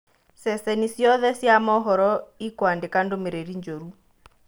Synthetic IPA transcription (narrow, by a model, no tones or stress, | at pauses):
sɛsɛnisiɔðɛsiamɔɦɔɾɔikwandɛkandomiɾeɾiɲd͡ʒoɾu